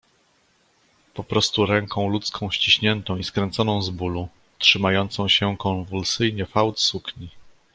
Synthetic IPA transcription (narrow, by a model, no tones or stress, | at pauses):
pɔpɾɔst̪uɾɛŋkʰɔ̃w̃lut̪skʰɔ̃w̃ɕt͡ɕiɕɲɛnt̪ɔ̃w̃iskɾɛnt̪sɔnɔ̃w̃zbulu | tʂɘmajɔnt̪sɔ̃w̃ɕɛkɔ̃nvulsɘjɲɛfawt̪sukɲi